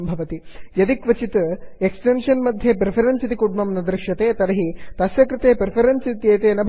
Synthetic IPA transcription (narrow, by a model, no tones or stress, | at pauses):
mbʱɐʋɐt̪ijɐd̪ikʋɐt͡ʃit̪eksʈenʂɐnmɐd̪ʱjeːpɾipʰɐɾɐnsit̪ikuɖmɐmnɐd̪ɾɪʂɐt̪eːt̪ɐɾɐɦit̪ɐsjɐkɾɨt̪eːpɾɪpʰɐɾɐnsit̪jeːt̪eːnɐbʱ